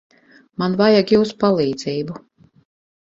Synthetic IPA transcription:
manvajaɡjuːspalˠiːd̪ziːbu

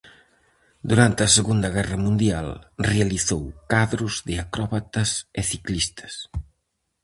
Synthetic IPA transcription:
d̪uɾant̪ɐsəɣund̪ɐɣ̞ɛrɐmũnd̪ialrealiθowkaðɾuzðeakɾɔβat̪əzeθiklist̪ə̥s

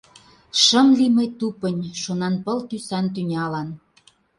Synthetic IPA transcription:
ʃəmliməjt̪upənʲʃonɑnpɤ̆lt̪ysænt̪̬ynʲɑlɑn

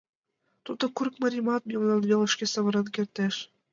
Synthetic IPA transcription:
t̪ud̪ɤ̆kurkmɤ̆ɾʲimɑt̪̚mʲimnˠɑnβʲelˠɤ̆ʃkʲesɤ̆βɤ̆ɾɤ̆nkʲert̪eʃ

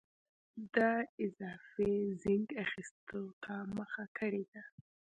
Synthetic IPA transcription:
d̪ɑɪzɑfezɪŋɡaxist̪ot̪ʰaməxakʰəɽed̪a

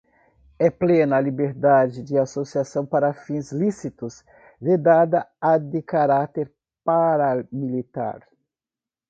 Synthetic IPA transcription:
ɛplenɐalibeɾd̪ad͡ʒɪd͡ʒ̪ɪasosiasɐ̃w̃paɾɐfĩzlisit̪ʊz | d̪ed̪ad̪ɐad̪ɪkaɾat̪eɾ | paɾamilit̪a̰ɾ

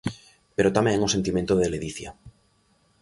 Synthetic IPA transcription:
pe̞ɾot̪amẽŋose̞nt̪imjent̪oðeleðiθja̰

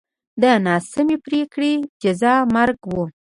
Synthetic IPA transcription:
d̪ənɑsɪmepɾekɽid͡ʒazɑmaɾɡwu

